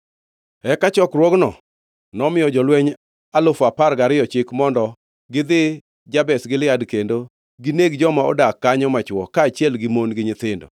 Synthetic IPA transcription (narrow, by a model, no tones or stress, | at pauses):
ɛkat͡ʃɔkrwɔɡnɔ | nɔmɪjɔd͡ʒɔlwɛɲ | alʊfaparɡaɾɪjɔt͡ʃɪkmɔndɔ | ɡɪd̪ɪ | d͡ʒabɛsɡɪlɪadkendo | ɡɪneɡd͡ʒɔmaɔ̰dakːaɲɔmat͡ʃwɔkaːt͡ʃjɛlɡɪmonɡɪɲɪt̪ɪndo̰